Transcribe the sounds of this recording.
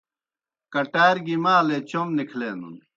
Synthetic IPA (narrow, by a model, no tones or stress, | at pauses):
kɐʈaːjɾɡimaːlet͡ɕomnikʰleːnṵn